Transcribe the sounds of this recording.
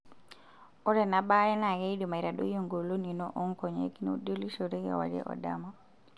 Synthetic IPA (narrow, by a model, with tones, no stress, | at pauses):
ɔ˦ɾɛ˨na˨ba˦jɛ˦na˨ɡɛ˦idi˨ma˨i˨ɾa˨ɗo˦jo˨ŋɡo˨lo˦ni˨nɔ̰ʔɔ˦ŋkɔ˨ɲḛ˦kni˦ṵdo˦li˦ʃoɾe˦ɡa̰˨wa̰˨d͡ʒɛ̰ʔɔ̰dama